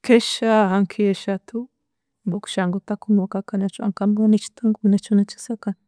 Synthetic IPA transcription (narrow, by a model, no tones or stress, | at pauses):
kʰeʃaɦaŋkʰieʃat̪ʰu | boku̥ʃaŋɡot̪akumwokakanat͡ʃua̰ŋkambanet͡ʃi̥t̪aŋɡunet͡ʃunet͡ʃi̥sakan